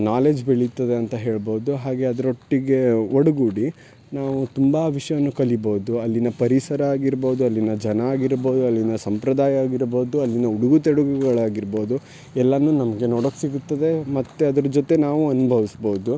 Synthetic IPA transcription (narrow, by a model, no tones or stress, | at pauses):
naːle̞ːd͡ʒbeɭit̪ːɐd̪e̞ɐnt̪ɐɦe̞ːɭbo̞ːud̪uɦaːɡe̞ɐd̪ɐɾoʈːiɡe̞oɽuɡuɽi | naːʋut̪umbɐʋiʂɐjɐɐnːukɐlibo̞ːd̪uɐlːinɐpɐɾisɐɾɐaːɡiɾboːd̪uɐlːinɐd͡ʒɐnɐːɡiɾbo̞ːd̪uɐlːinɐsɐmpɾɐd̪aːjɐaːɡiɾbo̞ːd̪uɐlːinɐuɽuɡut̪ɛɽuɡuɡɐɭaːɡiɾbo̞ːd̪u | ɛlːɐnːuːnɐmɐɡe̞noːɽokːesiɡut̪ːɐd̪e̞mɐt̪ːeɐd̪ɐɾɐd͡ʒot̪e̞naːʋuɐnubʱɐʋisboːud̪u